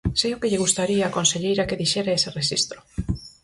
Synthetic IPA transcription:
seokeʎeɣ̞ust̪aɾiaːkonseʎejɾakeðiʃeɾaesereʃḭst̪ɾo̥

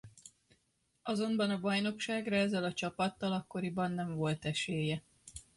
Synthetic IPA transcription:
ɒzo̞mbɒnɒbɒjno̞kʃaːɡrɒɛzːɛlɒt͡ʃɒpɒt̪ːɒlɒkːoɾibɒnːɛɱvo̞lt̪ɛʃeːjɛ

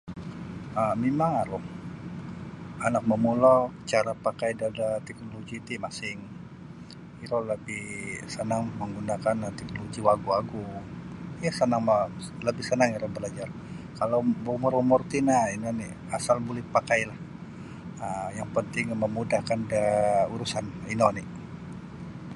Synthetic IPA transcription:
əmimaŋaɾʊh | anak̚məmulɔt͡ʃaɾapakajdadat̪ɛk̚noloɡit̪imasɪŋ | iɾɔləbɪhsənaŋməŋɡunakant̪ɛk̚noloɡiwaɡuaɡu | jasənaŋma | ləbɪhsənaŋiɾɔbəlad͡ʒar | kalowbumuɾumʊrt̪inainɔni | asalbulɪhpakajlah | əjaŋpənt̪ɪŋməmudahkandauɾusaninɔni

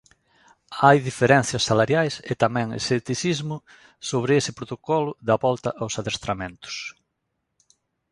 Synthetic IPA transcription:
ajðifeɾɛn̟θjɐsːalaɾjajset̪amɛ̃ŋḛset̪iθizmʊ | soβɾɪesɪpɾot̪okɔlʊðɐβɔlt̪ɐʔawsaðest̪ɾamẽnt̪ʊ̥s

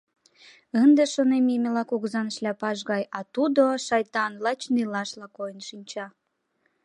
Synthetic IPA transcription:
ənd̪eʃonemimʲelɑkuɣzɑnəʃlʲæpɑʒɣɑjɑt̪ud̪oʃɑjt̪ɑnlɑt͡ɕnilɑʃlɑkojənʃinʲt͡ɕɑ

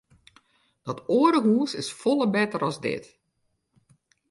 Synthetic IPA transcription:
d̥ɔtoːəɾəɦuːənsɪsfɔlˠəbɛtəɾɔzdɪ̰t

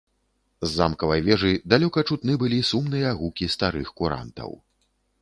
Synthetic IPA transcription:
zːamkɐvɐjvʲɛʐɨjd̪alʲɔkɐt͡ʂut̪nɨbɨlʲisumnɨjɐaɣukʲist̪aɾɨxkuɾa̰nt̪ɐ̰w

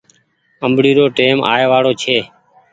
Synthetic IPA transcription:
əmbɽiːɾoːʈeːmʔa̰ːeːʋaːɽoːt͡ʃʰeː

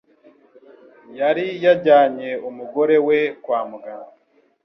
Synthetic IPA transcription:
jaɾijaɟaːɲe̞umuɡo̞ɾe̞wekwaːmuɡa

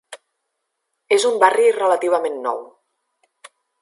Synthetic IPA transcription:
ezumbarirələt̪iβ̞əmenːɔ̰w

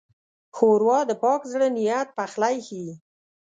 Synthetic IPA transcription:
xoɾwɑd̪əpɑkzɽənijat̪̚paxlajxi

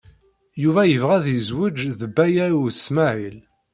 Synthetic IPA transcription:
juvæjəvʁæðəzwəd͡ʒðəbːæjæɾusmæʕil

